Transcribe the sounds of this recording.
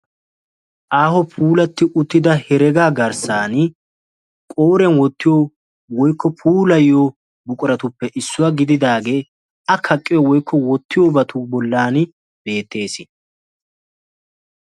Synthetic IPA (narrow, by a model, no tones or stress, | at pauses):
ʔaːhɔpʰuːlɐt̪ːɪʔʊt̪ːɪd̪ɐhɛɾɛɡaːɡɐɾsaːnɪ | kʼoːɾɛnwɔt̪ːɪjo | wɔjkːɔpʰuːlɐjːoː | bʊkʼʊɾɐt̪ʊpːɛʔɪsːʊwaɡɪd̪ɪd̪aːɡe̞ː | ɐkʰɐkʼːɪjɔwɔjkːɔwɔt̪ːɪjoːbɐt̪ʊbɔlːaːnɪ | be̞ːt̪ːe̞ːsɪ